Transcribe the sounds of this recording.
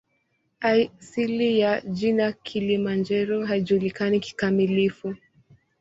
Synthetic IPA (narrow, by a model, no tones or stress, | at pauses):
asilijad͡ʒinakʰilimand͡ʒɛɾɔɦaiʄuːlikaniki̥kamilifu